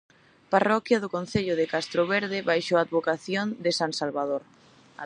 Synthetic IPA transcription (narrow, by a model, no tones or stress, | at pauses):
parɔkjɐðʊkon̟θeʎʊðɪkast̪ɾoβeɾðɪβajʃoad̪βokaθjond̪ɪsaŋsalβaðoɾ